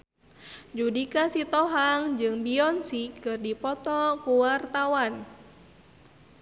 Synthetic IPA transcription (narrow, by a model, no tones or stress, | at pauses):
d͡ʒudikasit̪ɔɦaŋd͡ʒɨŋbiɔnsikɨrdipɔt̪ɔkuwart̪awan